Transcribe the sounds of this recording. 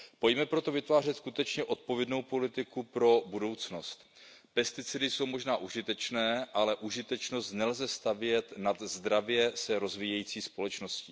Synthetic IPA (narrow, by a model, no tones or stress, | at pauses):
po̞jmɛpɾo̞t̪o̞vɪt̪vaːr̝ɛt̪skut̪ɛt͡ʃɲɛʔo̞t̪̚po̞vjɛdno̞wpo̞lɪt̪ɪkupɾo̞budo̞wt͡sno̞st̪ | pɛst̪ɪt͡sɪdɪso̞wmo̞ʒnaːʔuʒɪt̪ɛt͡ʃnɛːʔalɛʔuʒɪt̪ɛt͡ʃno̞st̪nɛlzɛst̪avjɛt̪nad̪zd̪ɾavjɛsɛɾo̞zviːjɛjiːt͡siːspo̞lɛt͡ʃno̞sciː